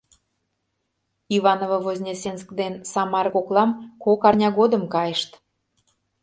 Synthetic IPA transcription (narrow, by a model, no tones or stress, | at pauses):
iβɑnovɤ̆vozʲnʲesensəkd̪ensɑmɑɾkoklˠɑmkokɑrnʲɑɣod̪əmkɑjəʃt̪